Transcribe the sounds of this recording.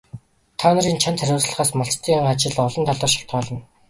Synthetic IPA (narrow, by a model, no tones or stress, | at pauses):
t̪ʰaːnə̆ɾiːnt͡ɕʰant͡sʰæɾʲʊːt͡sɮə̆ʁaːsmaɬt͡ɕt̪ʰiːŋɢat͡ɕɪ̆ɮɔɮɞ̆nt̪ʰaɮɔːrʃḁkt̪ɢɔːɮɞ̆n